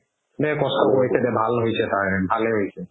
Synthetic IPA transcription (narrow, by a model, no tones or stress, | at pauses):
nɛkɔstɔkoɹisʰɛdɛbʱalɦojsʰɛtaɹbʱaleɦojsʰɛ